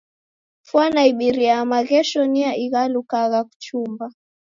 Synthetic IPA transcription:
fwanaiɓiɾiamaɣɛʃɔniaʔiɣalukaɣaku̥t͡ʃumba

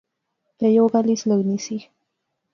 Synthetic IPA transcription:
pɾɛjoːɡalisləwnisix

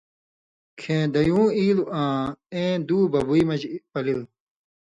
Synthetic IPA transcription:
kʰẽːd̪ɐjũːiːluʔãːẽːd̪uːbɐbuimɐd͡ʑpɐlil

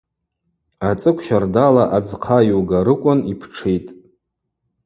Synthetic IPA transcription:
at͡sʼɨkʷʰʃardalaʔad͡zqʰajuɡaɾɨkʷʼʊnipʰʈ͡ʂʰejtʼ

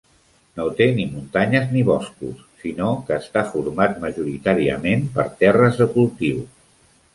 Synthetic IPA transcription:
not̪enimunt̪aɲəzniβɔskṵsːinokəːst̪afuɾmat̪məʒuɾit̪aɾiə̰mempə̰ɾt̪ɛrəzðəkulˠt̪iw

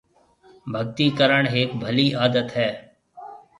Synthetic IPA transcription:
bʱəɡ̚t̪iːkəɾəɳɦeːkbʱəliːʔaːd̪ət̪ɦɛː

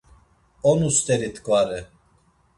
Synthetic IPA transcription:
ɔnust̪ʼɛɾit̪ʰʼkʼvaɾɛ

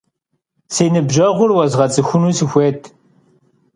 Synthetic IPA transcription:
seːnɨbʒɐʁʷʊrwɐzʁɐt͡sʼɨxʷʊnuːsɨxʷeːtʰ

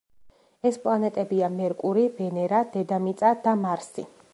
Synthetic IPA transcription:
ɛspʼlˠanɛt̪ʼɛbiamɛɾkʼuɾibɛnɛɾad̪̥ɛd̪amit̪sʼad̪̥amaɾsḭ

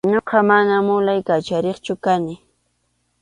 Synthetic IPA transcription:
ɲoqɑmanamʊlajkat͡ʃaɾeχt͡ʃʊkanɪ

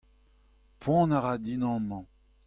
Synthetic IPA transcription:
pʰwɑ̃ːnaʁad̪inɑ̃mɑ̃

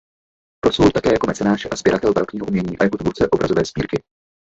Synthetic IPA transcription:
pɾosvolt̪akɛːjako̞mɛt͡sɛnaːʒɛʔaz̥b̥jɛɾat̪ɛlbaɾokɲiːɦoumɲɛɲiːʔajɦot̪vuɾt͡sɛʔobɾʔazovɛːsbḭːɾkɪ

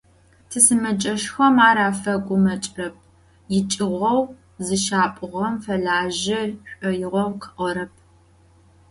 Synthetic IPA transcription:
tʰɨsɨmɐd͡ʒʼɐʂxɐmaːɾaːfɐɡʷʼʊmɐt͡ʃʼrɐp̚ʰ | jɪt͡ʃʼɪʁʷɔw | zɨʃaːpʼɨʁɐmfɐɮaːʒɪɕʷʼɔjɪʁʷɔwqʰə̥ʔɔɾɐp̚ʰ

